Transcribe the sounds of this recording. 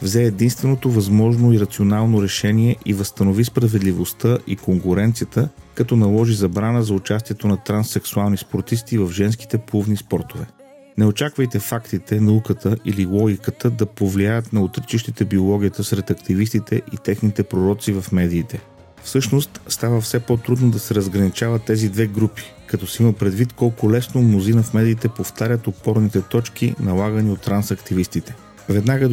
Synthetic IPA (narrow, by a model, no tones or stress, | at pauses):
vzɛːd̪inst̪vɛnot̪ovɐzmɔʒnoiɾɐt̪sionalˠnoɾɛʃɛniɛʔivəst̪ɐnovispɾɐvɛd̪livost̪əʔḭkoŋkʊɾɛnt̪sijət̪əkɐt̪ɔnɐlˠɔʒizɐbɾanəzɐʊt͡ʃast̪iɛt̪onɐt̪ɾansɛksualˠnispoɾt̪ist̪ivɐfʒɛnsk̟i̥t̪ɛpuvnispɔɾt̪ovɛ | nɛot͡ʃakvəjt̪ɛfakt̪it̪ɛnɐukət̪ʰəʔililˠɔɡʲikət̪əd̪ɐpovliajət̪nɐot̪ɾt͡ʃiʃt̪it̪ɛbiolˠɔɡ̟ʲijət̪əsɾɛt̪ɐkt̪ivist̪it̪ɛʔit̪ɛxnit̪ɛpɾoɾɔt̪sivɐfmɛd̪iːt̪ɛ | fsɤʃnost̪st̪avəfsɛpɔt̪ɾud̪nod̪ɐsɛɾəzɡɾɐnit͡ʃavət̪ːɛzid̪vɛɡɾupi̥kɐt̪ɔsɛiməpɾɛd̪vit̪kɔlˠkʊlɛsnomnozinəfmɛd̪iːt̪ɛpoft̪aɾʲət̪ot̪̚pɔɾnit̪ɛt̪ɔt͡ʃk̟ḭnɐlˠaɡəniot̪ːɾansɐkt̪ivist̪it̪ɛ̥ | vɛd̪naɡə